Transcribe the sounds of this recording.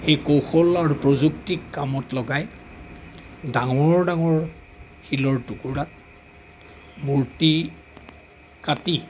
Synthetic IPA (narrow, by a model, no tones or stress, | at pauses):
xejkowxɔlaɹupɹozuktikːamɔtlɔɡaj | daŋɔɹdaŋɔɹ | xilɔɹtukuɹat̚ | muɹti | kati